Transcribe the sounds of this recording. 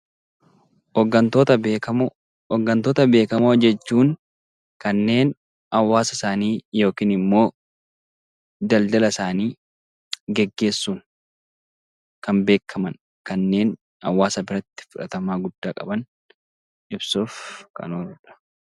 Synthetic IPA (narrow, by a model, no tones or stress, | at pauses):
ɔɡɐnt̪ot̪ɐbkɐ | ɔɡːɐnt̪oːt̪ɐbe̞ːkɐmod͡ʒɛt͡ʃːuːŋ | kɐnːe̞ːn | ɐwːaːsɐɪsaːniːjo̞ːkiːnɪmːo̞ː | d̪ɐld̪ɐlɐsaːniː | ɡɛɡːe̞ːsːuːn | kɐmbe̞ːkʰːɐmɐn | kɐnːe̞ːn | hɐ̰wːaːsɐbɪɾɐt̪ːɪ̥fʊᶑɐt̪ɐmaːɡʊd̪̥ːaːkʼɐbɐn | ʔɪbsuːfkɐ̰noːɾᶑɐ̥